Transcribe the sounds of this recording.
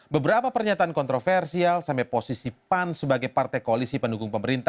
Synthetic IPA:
bəbəɾapapərɲat̪aankɔnt̪ɾofɛrsialsampɛposisipansəbaɡajpart̪ajkoalisipəndukʊŋpəməɾint̪a

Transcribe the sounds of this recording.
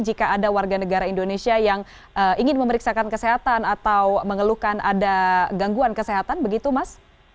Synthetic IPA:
d͡ʒikaadawarɡanəɡaɾaindonesiajaŋ | ʔəiŋɪnməməɾiksakankəseɦat̪anat̪awməŋəluhkana̰daɡaŋɡuankəseɦat̪anbəɡit̪umas

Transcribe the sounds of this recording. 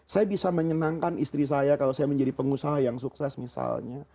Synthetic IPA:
sajabisaməɲənaŋkanʔist̪ɾis̬ajakalosajaməɲd͡ʒadipəŋusaɦajaŋsuksɛsmisa̰lɲa

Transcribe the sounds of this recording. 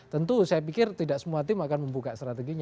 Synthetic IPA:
t̪ənt̪usajapikɪrt̪idaʔsəmuat̪ɪmakanməmbukaʔst̪ɾat̪eɡiɲ

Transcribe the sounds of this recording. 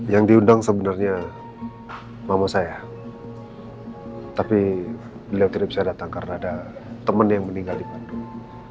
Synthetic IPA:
jaŋdiundaŋsəbənarɲa | mamasaja | t̪api | bəliawt̪idaʔpbisadat̪aŋkarənaːdat̪əmənjaŋməniŋɡaldibad̪u

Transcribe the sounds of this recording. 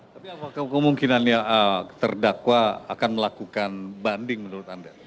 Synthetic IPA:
t̪apiapakkəmuŋkinanɲaət̪ərdakwaa̰kanməlakukanbandɪŋmənuɾut̪anda

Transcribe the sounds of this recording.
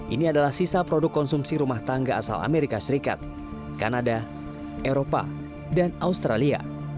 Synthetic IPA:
ʔiniadalahsisapɾɔdʊkːɔnsumsiɾumaht̪aŋɡaa̰sa̰la̰meɾikasəɾika̰t̪̚ | kanada | ʔeɾopa̰ | danaust̪ɾalia̰

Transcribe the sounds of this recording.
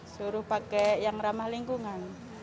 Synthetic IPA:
suɾʊhpakɛjaŋramahliŋkuŋan

